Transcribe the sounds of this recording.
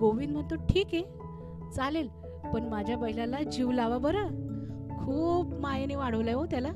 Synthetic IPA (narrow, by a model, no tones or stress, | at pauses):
ɡoʋind̪m̤əɳt̪oʈʰiːke | t͡salel | pəɳmad͡ʑʱjapəɦjilalad͡ʑiʋlaʋabəɾəkʰuːbmajaniʋaɽəʋlaʋot̪jala